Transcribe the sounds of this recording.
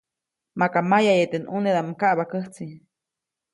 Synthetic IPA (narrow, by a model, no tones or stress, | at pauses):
makamajajet̪enuned̪amkaʔbakəht͡si